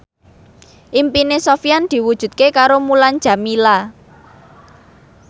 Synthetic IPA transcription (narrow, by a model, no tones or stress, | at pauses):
ʔimpinesofijand̪̥i̤wud̥ʒ̥ṳt̪̚kekaɾomuland͡ʒ̥a̤mila